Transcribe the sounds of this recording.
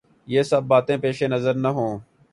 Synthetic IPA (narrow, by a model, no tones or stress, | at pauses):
jeːsəbːaːt̪ẽːpeːʃeːnəzəɾnəɦõː